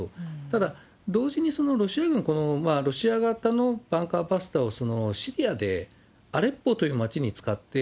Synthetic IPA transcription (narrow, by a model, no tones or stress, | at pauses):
ot̪ad̪a | d̪o̞ːʑiɲ̟iso̞no̞ɾo̞ɕiaɡɯ̟̃ŋko̞no̞maɾo̞ɕiaɡat̪ano̞b̥ãŋkabasɨ̥t̪ao̞so̞no̞ɕiɾʲiad̪e̞̰ | aɾe̞pːo̞t̪o̞jɯ̟ːmat͡ɕiɲ̟it͡sɨ̥kat̪ːe̞